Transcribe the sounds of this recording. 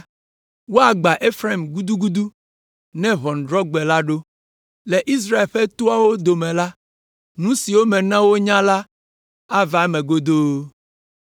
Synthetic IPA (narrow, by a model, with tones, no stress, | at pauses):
wo˦a˨ɡ͡ba˨ʔe˦fɾa˦˨mɡu˦d̪u˦ɡu˦d̪u˦ | nɛ̃˦βɔ˨n˨ɖɾɔ˦ɡ͡bɛ˨la˦ɖo˦ | lɛ˨ʔi˦s̬ɾa˦e˨lɸɛ˦t̪o˦a˦wo˦d̪o˨mɛ̃˨la˦ | nũ˦si˨wo˦mɛ̃˨nã˦wo˦ɲã˦la˦ | a˦va˨˦mɛ̃˨ɡo˦d̪o˦